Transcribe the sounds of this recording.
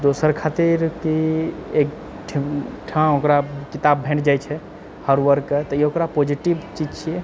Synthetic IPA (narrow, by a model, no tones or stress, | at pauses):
d̪osəɾkʰat̪iɾkiek | ʈʰʈʰãokɾakit̪abbʱẽɳɖd͡ʒajt͡ʃʰɛ | həɾwəɾkːet̪ɔiokɾapod͡ʒiʈibt͡ʃid͡ʒt͡ʃʰiɛ